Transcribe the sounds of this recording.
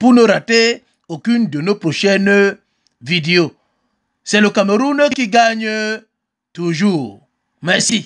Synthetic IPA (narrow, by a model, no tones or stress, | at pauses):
punəɾate | okyndənopɾoʃɛn | video | sɛləkameɾunkiɡaɲə | tuʒuʁ | mɛʁsi